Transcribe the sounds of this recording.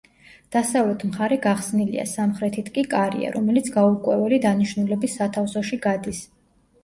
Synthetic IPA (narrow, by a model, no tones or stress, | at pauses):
d̪̥asavlɛt̪ʰmχaɾɛɡaχsnilḭa̰samχɾɛt̪ʰit̪ʰkʼikʼaɾḭa̰ɾɔmɛlit̪sʰɡaukʼwɛvɛlid̪aniʃnulɛbisːat̪ʰafsɔʃiɡad̪is